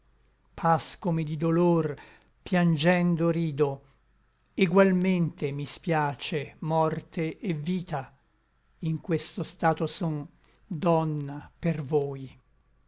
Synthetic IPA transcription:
pʰaskomed̪id̪olor | pjand͡ʒɛnd̪oɾiːd̪o | eɡwalment̪emispjaːt͡ʃemɔrt̪ʰeʔːviːt̪a | iŋkwest̪ost̪aːt̪osɔn | d̪ɔnːapervoːj

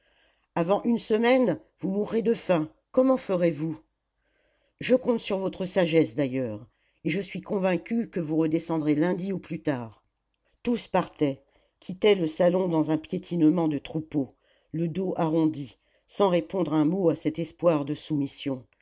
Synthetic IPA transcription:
avɑ̃ʔynsəmɛn | vumuʁːed̪əfɛ̃ | kɔmɑ̃fəʁevu | ʒəkɔ̃t̪syʁvɔt̪χəsaʒɛsd̪ajœːʁ | eʒəsɥikɔ̃vɛ̃kʲykəvuʁəd̪esɑ̃d̪ʁelɛ̃d̪iuplyt̪aːʁ | t̪uspaʁt̪ɛ | kʲʰit̪ɛləsalɔ̃d̪ɑ̃zɛ̃pjet̪ʰinmɑ̃d̪ət̪χupo | ləd̪oʔaʁɔ̃d̪i | sɑ̃ʁepɔ̃d̪ʁɛ̃moasɛt̪ɛspwaʁd̪əsumisjɔ̃

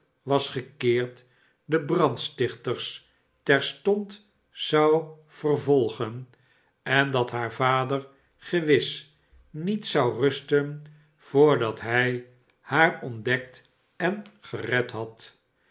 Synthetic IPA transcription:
ʋɑsχəkɪːɹt | dəbrɑntstɪχtəɹs | tɛɹstɔnt | zɑw | v̥ərvɔlˠχən | ɛndɑtɦaːɹvaːdər | χəʋɪs | nitsɑwrɵstən | v̥ʊːɹdɑtɦɛj | haːɹɔndɛk̚t | ɛnχərɛtɦɑt

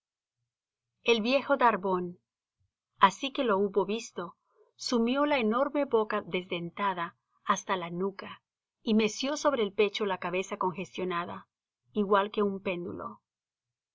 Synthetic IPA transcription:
e̞lβje̞xo̞ðaɾβo̞n | asike̞lo̞uβo̞βist̪o̞ | sumjo̞laeno̞ɾme̞βo̞kaðe̞zd̪e̞nt̪aðaː | st̪alanuka | ime̞sjo̞so̞βɾe̞ːlpe̞t͡ʃo̞lakaβe̞sako̞ŋxe̞st̪jo̞naða̰ | iɣwalke̞umpe̞nd̪ṵlo̞̰

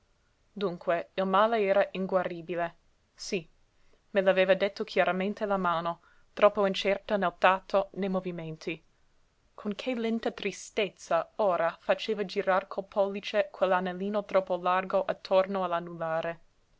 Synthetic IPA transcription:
d̪uŋkʰweilmaːleɛːɾaʔiŋɡwariːbile | si | melaveːvad̪et̪ːokʰjaɾamẽnt̪ʰelamaːno | t̪ɾɔpːoint͡ʃɛrt̪anelt̪at̪ʰːonejmoviment̪ʰi | kʰoŋkʰelɛnt̪at̪ɾist̪et̪saoːɾafat͡ʃeːvad͡ʒiɾarkʰolpʰɔlːit͡ʃekʰwelːanelːiːnot̪ɾɔpːolarɡoʔat̪ʰːornoalanːulaːɾe

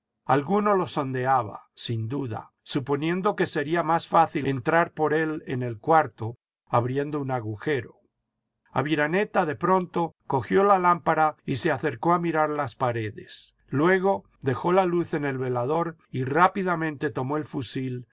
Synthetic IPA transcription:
alɣuno̞lo̞so̞nd̪e̞aβa̰sind̪uða̰ | supo̞njẽ̞nd̪o̞ke̞se̞ɾiamasfaθilent̪ɾaɾpo̞ɾe̞le̞ne̞lkwaɾt̪o̞ | aβɾje̞nd̪o̞unaɣuxe̞ɾo̞ | a̰βiɾane̞t̪aðe̞pɾo̞nt̪o̞ko̞xjo̞lalampaɾaise̞aθe̞ɾko̞amiɾaɾlaspaɾe̞ðe̞s | lwe̞ɣ̞o̞ | ðe̞xo̞laluθe̞ne̞lβe̞laðo̞ɾirapiðamẽ̞nt̪e̞t̪o̞mo̞elfusil

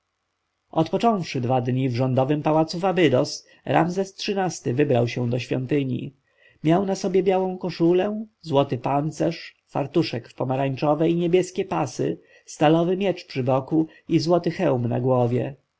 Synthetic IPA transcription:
ʔɔt̪pɔt͡ʂɔ̃w̃fʂɘd̪vad̪ɲivʐɔnd̪ɔvɘmpawat̪sufabɘd̪ɔs | ɾa̰mzɛstʂɘnast̪ɘvɘbɾawɕɛ̃d̪ɔɕfʲjɔ̰nt̪ɘɲḭ | mʲjawnasɔbʲjɛbjawɔ̃w̃kɔʂulɛzwɔt̪ɘpant̪sɛʂ | fa̰ɾt̪uʂɛkfpɔmaɾaɲt͡ʂɔvɛjɲebʲjɛskʲɛpasɘ̰ | st̪alɔvɘmʲjɛt͡ʂpʂɘbɔku | izwɔt̪ɘxɛwmna̰ɡwɔvʲjɛ̰

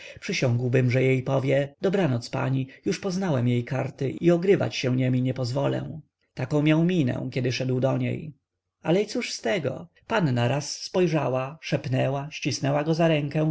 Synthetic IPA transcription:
pʂɘɕɔ̃ŋɡwbɘmʐɛjejpɔvʲjɛd̪ɔbɾanɔt̪spa̰ɲijuʂpɔznawɛmjejkaɾt̪ɘʔiɔɡɾɘva̰t͡ɕɕɛ̃ɲemʲiɲɛpɔzvɔlɛ̰̃ | t̪akɔ̃w̃mʲjawmʲinɛ̰̃kʲjɛd̪ɘʂɛd̪wd̪ɔɲḛj | alɛit̪suʂst̪ɛɡɔ̰ | panːaɾasːpɔjʐawaʂɛpnɛwaɕt͡ɕisnɛwaɡɔzaɾɛŋkɛ̃

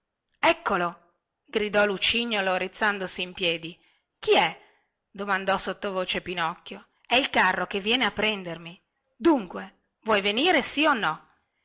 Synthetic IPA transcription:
ɛkːolo | ɡɾid̪ɔlut͡ʃiɲːoloɾit̪sːand̪osiːmpjɛːd̪i | k̟iɛ | d̪omand̪ɔsot̪ːovoːt͡ʃepinɔkːjo | ɛilkarːokevːjɛːneapːɾɛnd̪ermi | d̪uŋkwe | vwɔjveniːɾesionːɔ

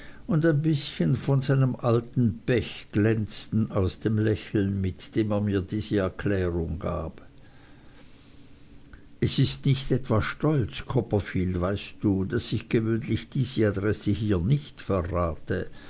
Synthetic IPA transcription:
ʊndaɪnbɪsçənfɔnzaɪnəmʔaltn̩b̥ɛçɡ̥lɛnt͡stn̩aʊsd̥eːmlɛçl̩nmɪtd̥eːmeːɐmiːɐdiːzəɛɐkʰlɛːʁʊŋɡa̰ːp | ʔɛsɪstnɪçtɛtv̥aʃtɔlt͡skʰɔpɐfiːldvaɪst̚d̥uːdasɪçɡ̥əvøːnlɪçd̥iːzəadʁɛsəɦiːɐnɪçtfɛɐʁaːtə

